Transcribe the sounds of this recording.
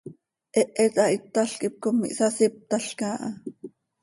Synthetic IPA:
ʔɛʔɛt̪ɑʔit̪ːaɬkip̚komːḭʔsasip̚t̪ɑɬkaːʔɑ

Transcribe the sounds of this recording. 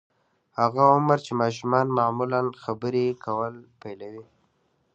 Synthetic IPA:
haɣaʊməɾt͡ʃemɑʃ̬umɑnmamulanxabəɾekʰawəlpajlawi

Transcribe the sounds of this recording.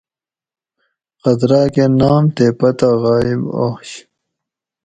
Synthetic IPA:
qɐd̪ɾaːkenaːmt̪epɐt̪aʁɑːiba̰ːɕ

